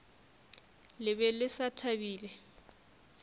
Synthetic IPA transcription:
lɪbɛlɪsatʰabiːlɛ

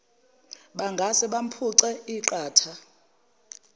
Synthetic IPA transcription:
ɓaŋɡʱasɛɓam̩pʰuǀɛiǃaːtʰa

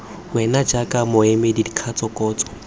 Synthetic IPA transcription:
wɛnad͡ʒakʼamʊɛmedidikʰat͡sʼɔkʼɔːt͡sʼɔ̥

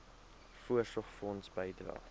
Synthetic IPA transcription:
fuəsɔχfɔnsbəjdrɑ̰

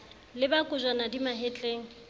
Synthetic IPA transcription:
lɪbakʼʊzanadimaɦet͡ɬʼeːŋ̩

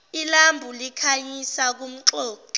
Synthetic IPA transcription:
ilambʱulikʰaɲisak̬um̩ǁɔːǁɔ

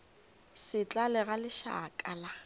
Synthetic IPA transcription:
sɪt͡ɬʼalɪɣalɪʃa̰kʼala

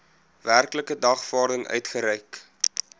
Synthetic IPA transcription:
værkləkədɐχfɑːrdəŋœ̰ɥtχəɾɛjk

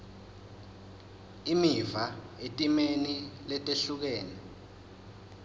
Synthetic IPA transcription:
imivaetʼimenilɛtʼeɬuk̬ɛːnɛ

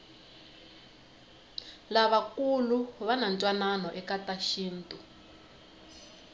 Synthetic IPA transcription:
laβakuluβanant͡ʃʼwananɔʔɛkataʃiːntʼu

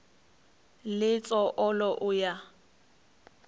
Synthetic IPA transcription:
lɪt͡sʼɔʔɔlɔʔʊja

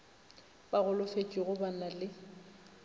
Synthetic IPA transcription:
baɣʊlʊfet͡ʃʼiɣʊbanalɪ

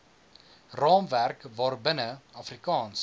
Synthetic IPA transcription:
rɑːmværkvɑːrbənəɐfrikɑːns

